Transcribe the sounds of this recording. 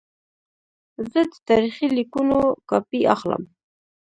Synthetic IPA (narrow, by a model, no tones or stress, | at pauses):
zəd̪ə̥t̪ɑɾiχilikunokɑpiaxlə̰m